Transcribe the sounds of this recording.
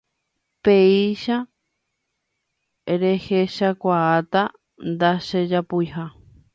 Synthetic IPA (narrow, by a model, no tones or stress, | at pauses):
peiʃa | ɾeheʃakʷaat̪a | nd̪aʃed͡ʒapujɦa